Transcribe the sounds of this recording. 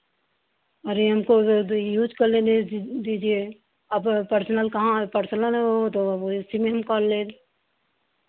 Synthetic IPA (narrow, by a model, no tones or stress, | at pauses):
ɔːɾjeɦɐmkojuːd͡ʒkɐɾlẽded̪iːd͡ʒie | ɐbpəɾsənəlkɐɦãpɐɾsənəlɦɦot̪oɪsimẽɦɐmkɔɾleːd̪